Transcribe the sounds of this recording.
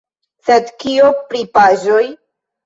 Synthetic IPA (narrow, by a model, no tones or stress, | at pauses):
sed̪kiopɾipaʒoj